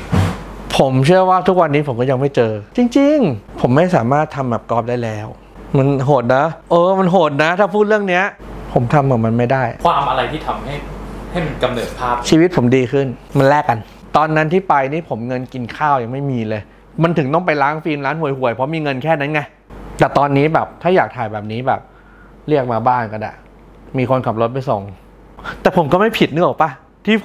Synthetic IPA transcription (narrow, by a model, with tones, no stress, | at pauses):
pʰo˩˦mt͡ɕʰɯ˥˩ɐwaː˥˩t̪ʰu˦˥k̚wa˧nːiː˦˥pʰo˩˦kɔː˥˩ja˧ŋma˥˩jt͡ɕɤː˧t͡ɕi˧ŋt͡ɕi˧ŋpʰo˩˦mːa˥˩jsa̰ː˩˦maː˥˩t̪ʰːa˧mbɛː˨˩p̚kɔː˥˩p̚daː˥˩jlɛː˦˥w | ma˧nɦoː˨˩t̪̚na˦˥ʔɤː˧ma˧nɦoː˨˩t̪̚na˦˥t̪ʰaː˥˩pʰuː˥˩t̪̚ɾɯ˥˩əŋni˦˥ɐʔpʰo˩˦mt̪ʰa˧mkaː˨˩p̚ma˧nma˥˩jdaː˥˩jkʰwaː˧mʔa˧ɾa˧jt̪ʰiː˥˩t̪ʰa˧mha˥˩jha˥˩jma˧nka˧mnɤː˨˩t̪̚pʰaː˥˩p̚t͡ɕʰiː˧w̪̚pʰo˩˦mdiː˧kʰɯ˥˩nma˧nlɛː˥˩kːa˧n | t̪ɔː˧nːa˦˥nt̪ʰiː˥˩pa˧jniː˦˥˩pʰo˩˦mŋɤ˧nki˧nkʰaː˥˩wja˧ŋma˥˩jmiː˧lɤː˧j | ma˧nt̪ʰɯ˩˦ŋt̪ɔ˥˩ŋpa˧jlaː˦˥nfiː˧mlaː˦˥nhu˨˩əjhu˨˩əjpʰɔ˦˥miː˧ŋɤ˧nkʰɛː˥˩na˦˥nŋa˧j | t̪ɛː˨˩t̪ɔː˧nːiː˦˥bɛː˨˩p̚t̪ʰaː˥˩jaː˨˩k̚t̪ʰaː˨˩jbɛː˨˩p̚niː˦˥bɛ̰ː˨˩p̚ | ɾi˥˩ək̚maː˧baː˥˩nka˧na̰˨˩ | miː˧kʰo˧nkʰa˨˩p̚lo˦˥t̪̚pa˧jso˨˩ŋ | t̪ɛː˨˩pʰo˩˦mkɔː˥˩ma˥˩jpʰi˨˩t̪̚nɯ˥˩ək̚pa˦˥˩ | t̪ʰiː˥˩